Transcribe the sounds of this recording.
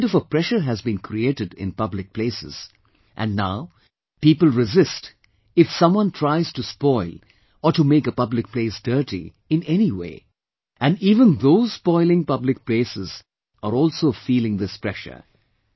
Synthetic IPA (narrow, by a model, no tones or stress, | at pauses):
dʌfəpɾɛʃə˞ɦɨzbĩnkʰɾieɪɾɨdɪ̰̃npʌblɪk̚pʰleːsɨ̰z̥ | ʔæ̰̃nnaʊ | piːpəl̩ˠɹɪzɪst | ɪfsʌ̃mwʌ̃ntʰɹ̥aɪz̥tuspɔɪl | ɔʈumekəpʌblɪk̚pleɪsd̥ɜ˞ɾḭ | ɨ̃nɛniwḛː | ʔæ̃niːvə̃nðoʊz̥spɔɪlˠɪ̃ŋpʌblɪk̚pleːsɪz | əɾɔːlˠsoːfiːlɪ̃ŋðɪspɹɛʃə̰˞